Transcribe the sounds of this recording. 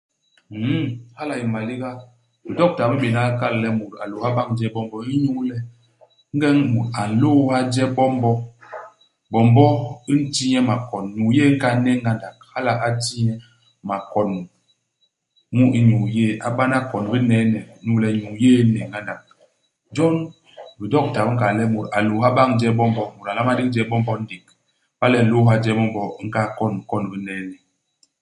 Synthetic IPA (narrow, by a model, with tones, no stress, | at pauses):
ha˦la˨i˨ma˨li˦ɡa˦ | bi˨dɔ˦k̚ta˨mə˦ɓe˨na˦ka˦llɛ˦mu˨ɾa̰˨lo˨ha˦ba˦ŋd͡ʒɛ˦bɔ˦mbɔ˦i˦ɲu˦lɛ˦ | ŋ˦ɡɛ˦ŋmu˨ta˨n˨lo˦ha˦d͡ʒɛ˦bɔ˦m˦bɔ˦ | bɔ˨m˦bɔ˦i˦n̩˦ti˦ɲɛ˦ma˨kɔ˨nɲu˨je˦ŋ̩˦ka˦nɛ˦ŋɡa˦nda˨k̚ha˦la˨ʔa˦ti˦ɲɛ˦ | ma˨kɔ˨nm˨ | mu˦i˦ɲu˨je˦˨ʔa˨ɓa˦na˦kɔ˨nbi˦nɛ˨˦nɛ˨˦nu˦lɛ˨˦ɲu˨je˦nɛ˨ŋɡa˦nda˨k̚ | d͡ʒɔ˦n | bi˨dɔ˦k̚ta˨bŋ̩˦ka˨lɛ˦mu˨ɾa˨lo˨ɦa˦ba˦ŋd͡ʒɛ˦bɔ˦m˦bɔ˦mu˨ɾa˨la˦ma˦di˦k̚d͡ʒɛ˦bɔ˦m˦bɔ˦n̩˦di˨k̚ | ba˦lɛ˦˨lo˦ɦa˦d͡ʒɛ˦bɔ˦m˦bɔ˦ŋ̩˦ka˦kɔ˦˨n˨kɔ˦˨nbi˦nɛ˨˦nɛ˨